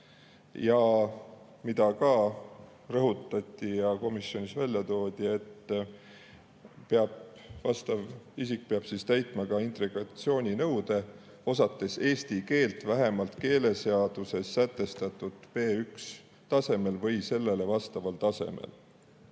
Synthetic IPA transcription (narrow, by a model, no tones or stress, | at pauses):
jɑ | mid̪̥ɑkɑ | rɤɦut̪ːˑɑt̪ʲːˑijɑko̞misjo̞nʲisvælʲjɑt̪o̞ːd̪̥ʲie̞t̪ː | peɑb̥vɑst̪ɑvisik̚peɑb̥siːst̪æjt̪ˑmɑkɑint̪ɾeɡɑt̪sio̞ːnʲinɤwd̪̥e̞ | o̞sɑt̪ˑːe̞se̞ːst̪ike̞ːlt̪væɦe̞mɑlt̪ke̞ːle̞seɑd̪̥use̞sːæt̪ːˑe̞st̪ɑt̪ːˑud̪̥pe̞ːyks | t̪ɑse̞me̞lvɤjse̞lːe̞le̞vɑst̪ɑvɑlt̪ɑse̞̰mḛl